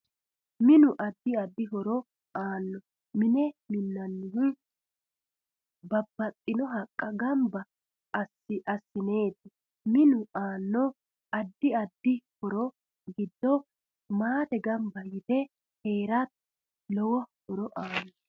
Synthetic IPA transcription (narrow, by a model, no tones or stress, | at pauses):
mɪnʊʔɐd̪ːɪɐd̪ːɪɦɔɾɔ | ʔaːnːɔ | mɪnɛmɪnːɐnːɪhɪ | bɐbːɐt̪ʼːɪnɔɦɐkʼːɐɡɐmbɐ | sɪʔɐsːɪneːt̪ːɪ | mɪnʊaːnːɔ | ɐd̪ːɪɐd̪ːɪhɔɾɔ | ɡɪd̪ːɔ | maːt̪ɛɡɐmbɐjɪt̪ɛ | heːɾɐt̪ | lɔwɔhɔɾɔʔaːnːɔ